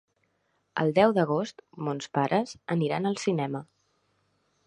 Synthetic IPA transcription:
ə̰lˠd̪ɛwðəɣ̞ost̪monspaɾʔəz̥əniɾanəlˠsinɛmə

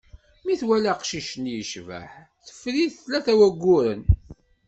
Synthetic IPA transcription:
miθwælæqʃiʃənjəʃvæ̰ħ | θə̥fːɾiðθlæθæwæɡʷːʊɾən

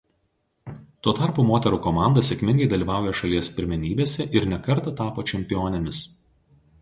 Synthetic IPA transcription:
t̪uɔt̪ɑˑɾpuːmoːt̪ʲɛɾuːkɔmɑˑnd̪ɐsʲɛkʲmʲɪŋɡɐɪd̪ɐlʲiːʋɑˑʊjɛʃɐlʲiɛspʲɪɾʲmʲɛnʲiːbʲeːsʲɛʔɪɾnʲɛkɐɾt̪ɐt̪ɑːpoːt͡ʃʲɛmʲpʲɪjoːnʲɛmʲɪs

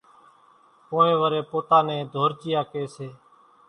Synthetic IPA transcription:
poːẽːʋəɾeːpoːt̪aːnẽːd̪ʱoːɾt͡ʃɪjaːkeːseː

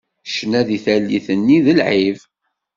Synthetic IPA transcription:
ʃnæðiθælːiθənːiðəlʕiv

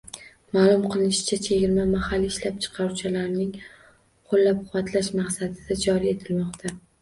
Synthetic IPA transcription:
maːlˠʊmqʰɨlˠɪnɪʃɪ̥t͡ʃʰat͡ʃʰeɡʲɪɾmamahalːiːʃlap̚t͡ʃʰɨ̥qʰɑɾut͡ʃʰalaɾnɪŋ | qʰolːap̚qʰʊwat̪ʰlaʃmaqsad̪ɪd̪ad͡ʒɒɾie̞t̪ʰɪlmɒqt̪ʰa

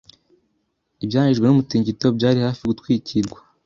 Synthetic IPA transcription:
ibjaːɲiʒɡe̞numutiːɲɟito̞bɟaːɾihaːfiɡutwiːcʰiɾɡwḁ

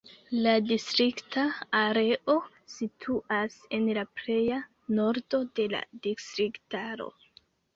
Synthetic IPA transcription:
ladistɾiktaːɾe̞ʔo̞ | sitʰuʔase̞nlaple̞ja | no̞ɾdo̞de̞la̰distɾiktaɾo̞̰

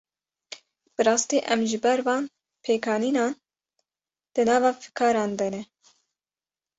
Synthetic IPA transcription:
b̥ɨɾɑːst̪iːʔɛmʒɨbɛɾvɑːn | pʰeːkʰɑːniːnɑːn | d̪̥ɨnɑːvɑːfɨ̥kʰɑːɾɑːnd̪ɛnɛ

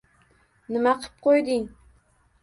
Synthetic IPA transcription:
nɪmaqʰɨ̥p̚qʰojd̪ɪŋ

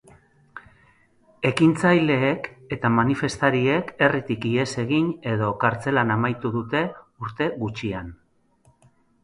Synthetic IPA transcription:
e̞kint͡sajle̞ːke̞t̪amanife̞st̪aɾie̞ke̞rit̪ikie̞se̞ɣiɲe̞ðo̞kaɾt͡se̞lanamajt̪uðut̪e̞uɾt̪e̞ɣut͡ʃian

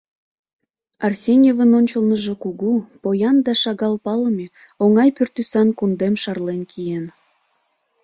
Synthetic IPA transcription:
ɑrsʲenʲevənonʲt͡ɕəlnəʒe̽kuɣupojɑnd̪ɑʃɑɣɑlpɑləmʲe | oŋɑjpørt̪ysɑnkund̪emʃɑrlenkʰijen

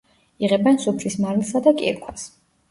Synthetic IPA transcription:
iʁɛbɛnsupʰɾismaɾilˠsad̪akʼḭɾkʰwas

